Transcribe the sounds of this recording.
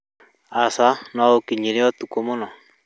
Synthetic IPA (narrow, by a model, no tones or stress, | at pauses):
asanɔokiɲiɾeɔt̪ukomonɔ